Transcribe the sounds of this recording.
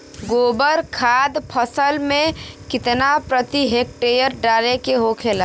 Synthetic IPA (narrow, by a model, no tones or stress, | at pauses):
ɡoːbəɾkʰaːd̪pʰəsəlmẽkɪt̪napɾət̪iɦeːk̚ʈeːjəɾɖaːlekeɦokʰeːlaː